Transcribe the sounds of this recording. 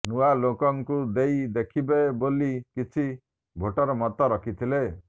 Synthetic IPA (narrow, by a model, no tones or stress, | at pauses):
nualokɔŋkud̪ejd̪ekʰibebolikit͡ʃʰi | bʱoʈɔɾɔmɔt̪ɔɾɔkʰit̪ʰile